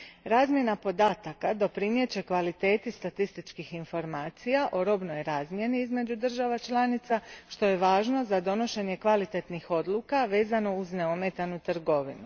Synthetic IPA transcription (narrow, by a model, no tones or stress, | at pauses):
ɾaːzmʲje̞napo̞d̪aːt̪akad̪o̞pɾinje̞t͡ɕe̞kʋalit̪e̞ːt̪ist̪at̪ist̪it͡ʃkixinfo̞ɾmaːt̪sijaʔo̞ɾo̞bno̞jɾaːzmje̞niizme̞d͡ʒud̪r̩ʒaʋat͡ʃlˠanit̪saʃt̪o̞je̞ʋaːʒno̞zad̪o̞no̞ʃe̞ɲe̞kʋalit̪e̞t̪nixo̞d̪lˠukaʋe̞ːzano̞uzne̞ome̞t̪anut̪r̩ɡo̞ʋinu